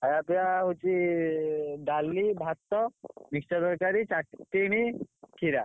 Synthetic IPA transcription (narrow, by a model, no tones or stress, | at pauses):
ajapiaɦut͡ʃʰi | ɖalːibʱat̪ːɔmikt͡ʃɔd̪ɔɾkaɾit͡ʃaʈʈːiɽ̃ikʰiɾa